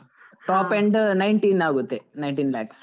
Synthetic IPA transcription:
ʈoːpːeɳɖnɐjɳʈiːnaːɣut̪ːenɐjɳʈiːnla̰ːks

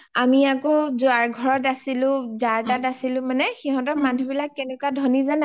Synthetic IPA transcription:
amiakɔzaɹɡʱɔɹɔtasilʊ̃zaɹtatasilʊ̃manɛxiɦɔ̃tɔmanubilakːɛnɛkuadʱɔnizana

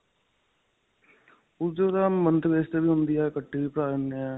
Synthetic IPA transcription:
ʊd̪oːd̪aːmənt̪əbeːst̪ebiːɦʊ̃nd̪iɛːkəʈːiːʋiːpəɾaːɾnɛː

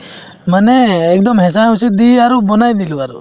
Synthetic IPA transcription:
manɛːk̚d̪ɔmɦɛs̬aɦusid̪iaɾubɔnajd̪iluaɾṵ

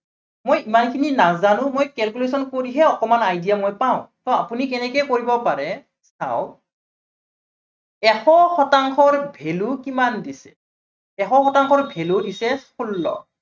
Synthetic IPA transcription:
mojimankʰininazanʊ̃mojkɛlkules̬ɔnkoɹiɦɛɔkɔmanajdijamojpaʊ̃tɔapunik̬ɛnɛkɛjkoɹibɔpaɹɛ | sa̰w | ɛxɔxɔtaŋkʰɔɹbʱelukimandisɛ | ɛxɔxɔtaŋkʰɔɹbʱeludisɛsulːɔ̰

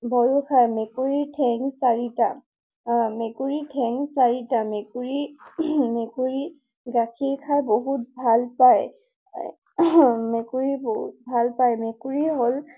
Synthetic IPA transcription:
bɔɹukʰajmekuɹitʰɛŋsaɹita | mekuɹitʰɛŋsaɹitamekuɹi | mekuɹi | ɡakʰiɹkʰajboɦut̚bʱalpaj | mekuɹiboɦut̚bʱalpajmekuɹiɦol

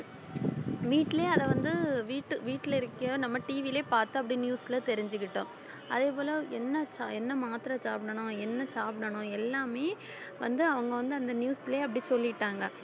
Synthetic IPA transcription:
ʋiːʈːɪleːɐðɐʋɐnd̪ɯʋiːʈːɯʋiːʈːɪlɪɾɯkːɯnɐmːɐʈiːʋileːpaːɾt̪ːɯɐp̬ːɐɽinjuːsɪlɐt̪ɛɾɪɲd͡ʒɯk̬ːɪʈːʊ̃ː | ɐðeːpoːlɐɛnːɐt͡ʃaɛnːɐmaːt̪ɪɾɐsaːpɪɳɐɳʊ̃ɛnːɐt͡ʃaːpɪɽɐɳʊ̃ɛlːaːmeː | ʋɐnd̪ɯɐʋɐŋɡɐʋɐnd̪ɯɐnd̪ɐnjuːsɪleːɐp̬ːɐɽisɔlːɪʈːaːŋɡɐ

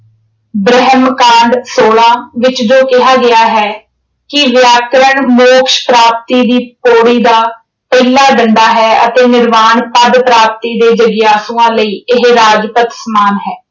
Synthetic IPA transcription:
bɾɛɦəmkãːɳɖsoːlãːʋɪt͡ʃd͡ʒoːkɪɦaːɡɪaːɦɛː | kɪʋjaːkɾəɳmoːkʃpɾaːp̚t̪iːd̪iːpoːɽiːd̪aː | pəɪlaːɖəɳɖaːɦɛːə̰t̪eːnɪɾmaːɳpəd̪pɾaːp̚t̪iːd̪eːd͡ʒəɡjaːsuːãːləiːɪɦɾaːd͡ʒpət̪səmaːnɦɛː

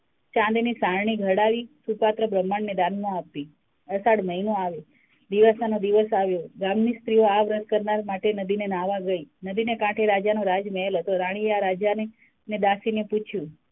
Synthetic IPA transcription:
t͡ʃãnd̪enisaɾɳ̃iɡʱəɽaʋisupat̪ɾəbɾəmːaɳned̪anmõapːi | əsaɽməɦinoaʋe | d̪iʋasanod̪iʋəsaʋjoɡamnist̪ɾioaʋɾəd̪̚kəɾnaɾmaʈenəd̪inenaʋaɡəinəd̪inekãʈʰeɾad͡ʒanoɾad͡ʒmeɦelɦət̪oɾaɽ̃ieaɾad͡ʒane | ned̪asineput͡ʃʰjũ

